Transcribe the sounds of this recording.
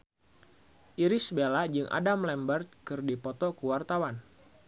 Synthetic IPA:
ʔiɾisbelad͡ʒɨŋʔa̰damlɛmbərt̪̚kɨrdipɔt̪ɔkuwart̪awan

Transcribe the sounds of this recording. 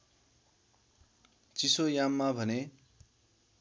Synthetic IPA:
t͡sisojamːabʱʌne

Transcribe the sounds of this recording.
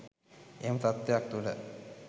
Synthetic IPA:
eːmət̪at̪ːejak̚t̪ulə

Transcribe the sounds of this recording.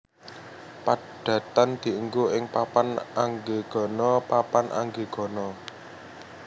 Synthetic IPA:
pa | d̪̥ä̤t̪and̪̥i̤əŋɡoɪŋpapanaŋɡeɡ̥ɔ̤nɔpapanʔa̰ŋɡeɡ̥ɔ̤nɔ

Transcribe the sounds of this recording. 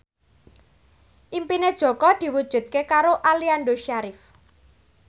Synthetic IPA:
ʔimpined̥ʒ̥ɔ̤kɔd̪̥i̤wud̥ʒ̥ṳt̪̚kekaɾoʔalianɖoʃaɾif

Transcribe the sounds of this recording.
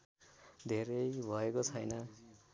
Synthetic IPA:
d̪ʱeɾʌjbʱʌekot͡sʰʌjnʌ

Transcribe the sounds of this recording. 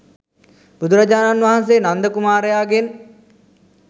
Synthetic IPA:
b̥ud̪uɾad͡ʒaːnanʋaɦans̬eːnand̪əkumaːɾejaːɡen

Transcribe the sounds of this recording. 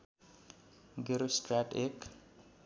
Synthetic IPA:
ɡeɾosʈraʈek

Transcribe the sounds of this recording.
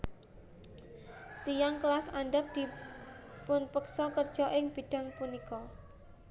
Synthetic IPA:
t̪ijaŋklasanɖap̚d̪̥i | pʊnpəksɔkərd̥ʒ̥ɔʔɪŋb̥i̤ɖ̥a̤ŋpunikɔ

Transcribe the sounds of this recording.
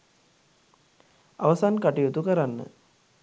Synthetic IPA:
a̰ʋəsankaʈijut̪ukəɾanːə̰

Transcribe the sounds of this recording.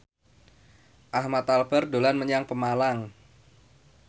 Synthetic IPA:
ʔahmat̪albərdolanməɲaŋpəmalaŋ

